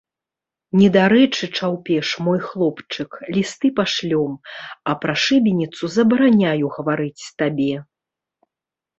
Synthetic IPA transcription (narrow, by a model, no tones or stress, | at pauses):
nʲɛd̪aɾɛt͡ʂɨt͡ʂawpʲɛʂmɔjxlˠɔpt͡ʂɨklʲist̪ɨpaʂlʲɔmɐpɾɐʂɨbʲinʲit̪suzɐbɐɾanʲajuɣɐvaɾɨt͡sʲt̪abʲɛ